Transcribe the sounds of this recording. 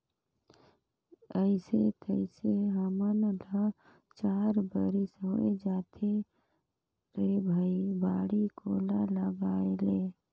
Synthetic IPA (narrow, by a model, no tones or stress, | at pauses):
əɪset̪ʰəɪseɦəmənlə | t͡ʃaːɾbəɾisɦoed͡ʒat̪ʰe | ɾebʱəibaːɽikolaləɡaːele